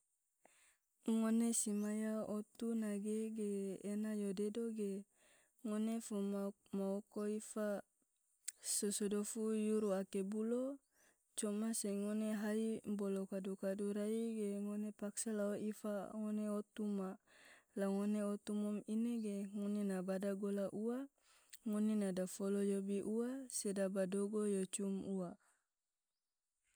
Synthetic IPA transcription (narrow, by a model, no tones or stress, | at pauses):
ŋonesimajaot̪unaɡeɡeːnajodedoɡe | ŋonefu | maokoifa | sosodofujuɾuakebulo | t͡ʃomaseŋoneɦaimbolokadukaduɾaiɡeŋonepaksalaoifaŋoneot̪umalaŋoneot̪umɔmineɡeŋonenabadaɡolaʔua | ŋonenadafolojobiʔuasedabadoɡojot͡ʃumua